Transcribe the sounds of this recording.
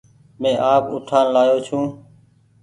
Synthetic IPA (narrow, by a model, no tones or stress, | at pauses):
mẽːʔaːpʊ̰ʈʰaːnlaːjoːt͡ʃʰũː